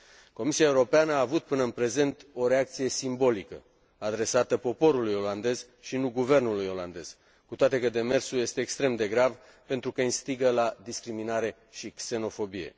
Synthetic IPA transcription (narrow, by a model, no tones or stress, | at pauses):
ko̞misiaeuɾo̞peanəaːvut̪̚pɨnəɨnpɾe̞ze̞nt̪o̞ɾe̞ak̚t̪sije̞simbo̞likə̰ | ad̪ɾe̞sat̪əpo̞po̞ɾulujo̞land̪e̞z | ʃinuɡuve̞rnulujo̞la̰nd̪e̞z̥ | kut̪oat̪e̞kəd̪e̞me̞rsuje̞st̪e̞ːkst̪ɾe̞md̪e̞ɡɾav | pe̞nt̪ɾukəɨnst̪iɡəlad̪iskɾiminaɾe̞ | ʃikse̞no̞fo̞bije̞̰